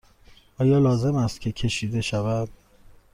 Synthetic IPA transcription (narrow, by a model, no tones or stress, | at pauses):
ʔɒːjɒːlɒːze̞mæst̪cʰe̞cʰe̞ʃiːd̪e̞ʃævæd̪̥